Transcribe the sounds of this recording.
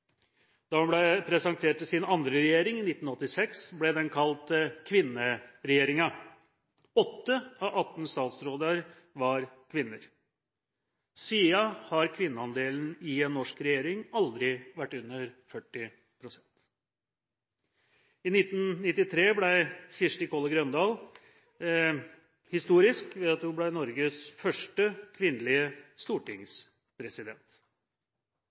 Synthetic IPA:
d̪̥ɑːhɑnblɛpʰɾɛsɑnt̪ʰeːʈsɪnɑnd̪ɾəɾɛjeːɾɪŋɪnɪt̪ːn̩ɔt̪ːɪsɛksblɛd̪ɛnkʰɑlt̪kʰʋɪnːəɾɛjeːɾɪŋɑ | ɔt̪ːəɑʋʔɑt̪n̩st̪ɑːt̪sɾoːd̪əɾ | ʋɑɾkʰʋɪnːəɾ | siːɑhɑɾkʰʋɪnːəɑnd̪eːln̩ɪɛnnːɔʂkɾɛjeːɾɪŋɑld̪ɾɪʋæʈːʉnːəɾfœʈːɪ | pʰɾʊsɛnt̪ | ɪnɪt̪ːn̩nɪt̪ːɪt̪ʰɾeːblæɪçɪʂʈɪkʰoːləɡɾœnd̪ɑːl | hɪst̪uːɾɪskʋɛɑt̪hublæɪnɔɾɡəsfœʂʈəkʰʋɪnːlɪəst̪uːʈɪŋs | pʰɾɛsɪd̪ɛnt̪

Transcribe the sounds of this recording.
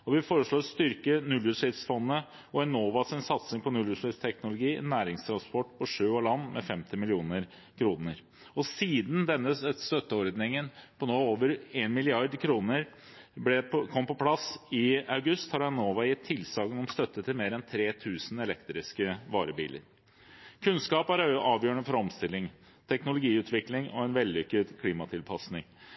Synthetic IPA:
ɔʋɪfoːɾəʂɭoːst̪ʏɾkənʉlʉʂɪt̪sfɔnːə | ɔɛnoːʋɑsɪnsɑt̪sɪŋpʰɔnʉlʉʂɪt̪st̪ʰɛknʊlʊɡiːnæːɾɪŋst̪ʰɾɑnspɔʈːpʰɔʂøːoːɭɑnːmʔɛ̰fɛmt̪ɪmɪlɪuːnəɾ | kʰɾuːnəɾ | ɔsiːd̪n̩d̪ɛnːəst̪œt̪ːəɔɾd̪nɪŋənpʰɔnoːoːʋəɾeːnmɪlɪɑɾd̪kʰɾuːnəɾ | blɛkʰɔmːəpʰɔpʰlɑsɪɑʉɡʉst̪hɑɾɑnoːʋɑjɪt̪ʰːɪlsɑːɡənɔmst̪œt̪ːət̪ʰːɪlmeːɾɛnt̪ʰɾeːt̪ʰʉːsn̩ɛlɛkt̪ɾɪskəʋɑːɾəbḭːlə̰ɾ | kʰʉnskɑːpæɾʔɑːʋjøːəɳəfɔɾɔmst̪ɪlːɪŋ | t̪ʰɛknʊlʊɡiːʉːt̪ʰʋɪklɪŋɔ̰ɛnʋɛlʏkəd̪kʰliːmɑt̪ʰɪlpʰɑsnɪŋ

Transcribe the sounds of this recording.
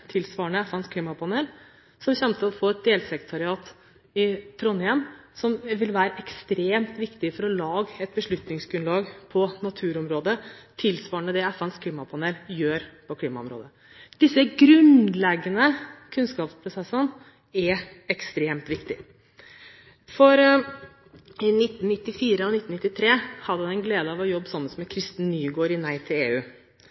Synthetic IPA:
t̪ʰɪlsʋɑːəɳəɛfənskʰliːmɑpʰɑneːl | sɔmɕɛmt̪əlɔfoːɛt̪̚d̪eːlsɛkɾət̪ʰɑɾɪɑːt̪ | ɪt̪ʰɾɔnːɪɛmsɔmʋɪlʋæːɾəʔɛkst̪ɾeːmt̪ʋɪkt̪ɪfɔɾɔlɑːɡəɛt̪̚bəʂɭʉt̪nɪŋsɡɾʉnlɑːɡpʰɔnɑt̪ʰʉːɾɔmɾoːd̪ət̪ʰɪlsʋɑːɳəd̪ɛɛfænskʰliːmɑpʰɑneːljøːɾpʰɔkʰliːmɑɔ̰mɾo̰ːd̪ə | d̪̥ɪsːəɡɾʉnlɛɡːənəkʰʉnskɑːpspʰɾʊsɛsːən | ɛɾ | ɛkst̪ɾeːmt̪ʋɪkt̪ɪ | fɔɾ | ɪnɪt̪ːn̩nɪt̪ːɪfiːɾəɑnɪt̪ːn̩ɪt̪ːɪt̪ʰɾeːhɑd̪əɑɛnɡleːd̪əɑʋɔjɔbːsɑmːəsɔmɛkʰɾɪst̪n̩nyːɡoːɾɪnæɪt̪ʰɪlḛːʉː

